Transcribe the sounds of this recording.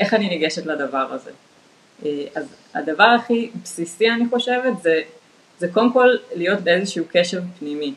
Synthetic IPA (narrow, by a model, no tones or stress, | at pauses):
ʔe̞χaniniɡe̞ʃetladavaʁa̰ze̞̰ | ʔeaz | ha̰davaʁaχibsisianiχo̞ʃe̞vetze | zekolemko̞lːijo̞tbeezeʃuuke̞ʃeʁpnimi